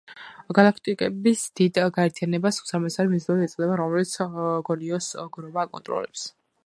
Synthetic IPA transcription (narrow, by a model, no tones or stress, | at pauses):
ɡalˠakʰt̪ʼikʼɛbisd̪̥id̪ɡaɛɾt̪ʰianɛbasusaɾmɛsaɾimizlaɾiɛt̪sʼd̪ɛbaɾɔmɛlit̪sʰɡɔniɔsɡɾɔbaːkʼɔ̰nt̪ʼɾɔ̰lɛ̰ps